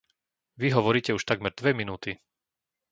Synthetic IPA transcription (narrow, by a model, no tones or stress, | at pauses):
ʋiɦɔʋɔɾiːcɛuʃt̪aɡmɛɾd̪ʋɛminuːt̪i